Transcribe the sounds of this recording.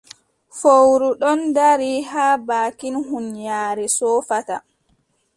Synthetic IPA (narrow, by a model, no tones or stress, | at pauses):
fowɾuɗɔndaɾiɦaːbaːkinɦunjaːɾɛsɔːfata